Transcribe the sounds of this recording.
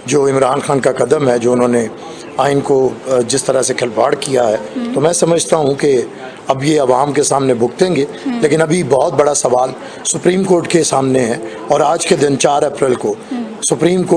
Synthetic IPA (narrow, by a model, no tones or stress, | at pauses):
d͡ʒoːɪ̃mɾaːnxaːnkakɐd̪əmɦɛd͡ʒoːʊnɦõːne | aːɪnkod͡ʒɪst̪ɐɾasekʰɐlbaːɽkijaɦɛːt̪omɛ̃ːsɐməd͡ʒʱt̪aɦũke | ɐbjeɐʋaːmkesaːmnebʱʊɡt̪ẽːŋɡeː | leːkɪnɐbʱibɔɦɔt̪̚bɐɽasɐʋaːl | sʊpɾiːmkoːɾʈkesaːmneɦɛ̃ | ɔːɾaːd͡ʒked̪ɪnt͡ʃaːɾɛpɾəlkosʊpɾiːmkoː